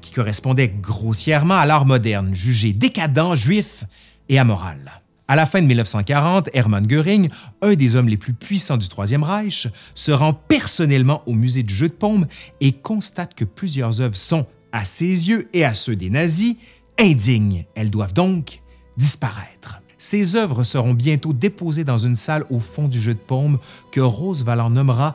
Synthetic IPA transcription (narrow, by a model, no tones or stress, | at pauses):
kʲʰi̥kɔʁɛspɔ̃d̪ɛɡʁosjɛʁmɑ̃alaʁmɔd̪ɛʁnʒyʒed̪ekad̪ɑ̃ʒɥif | eamɔʁa̰l | alafɛ̃d̪əmilnəfsɑ̃kaʁɑ̃t̪ɛʁmãnɡʲøʁiŋœ̃d̪ezɔmleplypɥisɑ̃d̪yt̪χwazjɛmʁajʃsəʁɑ̃pɛʁsɔnɛlmɑ̃ʔomyzed̪yʒød̪əpɔ̃bekɔ̃st̪at̪kəplyzjœʁzœvʁəsɔ̃ | asezjøeasød̪enazi | ɛ̃d̪iɲɛld̪wavd̪ɔ̃k | d̪ispaʁɛːt̪χ | sezœvʁəsəʁɔ̃bjɛ̃t̪od̪epozed̪ɑ̃zynsalofɔ̃d̪yʒød̪əpɔ̃bkəʁozvalɑ̃nɔmʁa